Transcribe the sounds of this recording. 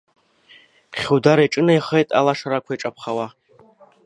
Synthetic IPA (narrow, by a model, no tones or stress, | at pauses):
χʲuwdaɾajʈ͡ʂʼɨnaiχejtʼa̰laʂaɾakʷʰaiʈ͡ʂʼapʰχawa